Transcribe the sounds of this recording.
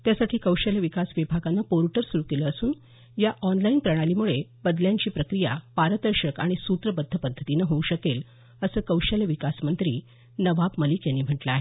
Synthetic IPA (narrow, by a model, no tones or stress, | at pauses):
t̪jasaʈʰiːkəwɕaljaʋikasʋibʱaɡanːəpoɾʈəɾsuɾukeləːsuːn | jaʔɔnlainpɾəɽ̃aliːmuɭeb̥əd̪ljaɲt͡ɕiːpɾəkɾija̰paɾt̪əɾɕəkaɽ̃isut̪ɾəbəd̪ʱːəpəd̪ʱːət̪inəɦoũɕəkel | əsəːkəwɕaljʋikasmənt̪ɾiː | nəʋabməliːkjanːiːm̤əʈləaɦe